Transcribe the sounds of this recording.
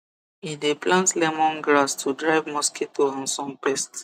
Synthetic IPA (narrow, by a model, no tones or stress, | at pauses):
ideplãntlɛmɔ̃nɡɹastʰudɹaɪvmɔskʰetʰoãnsɔ̃npɛst